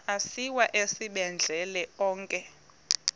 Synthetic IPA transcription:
asiwaʔesiɓɛnd͡ɮʱɛlɛɔːŋkʼɛ

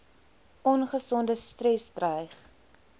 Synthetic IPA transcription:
ʔɔnχəsɔndəstrɛsdrəjχ

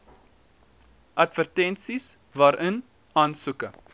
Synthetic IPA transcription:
ʔɐtvərtɛnsis | vɑːɾʔən | ɑːnsukə

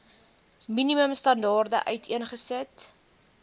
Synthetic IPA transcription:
miniməmstɐndɑːrdə̰ʔœɥtʰiənχəsət

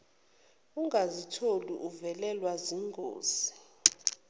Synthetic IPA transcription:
uŋɡazitʰolṵʔuvɛlɛlwaziŋɡʱo̰ːz̥i

